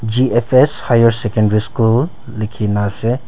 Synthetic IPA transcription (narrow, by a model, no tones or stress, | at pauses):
d͡ʒiepʰeshajɔɾsekẽndɾiskulː | ikʰinase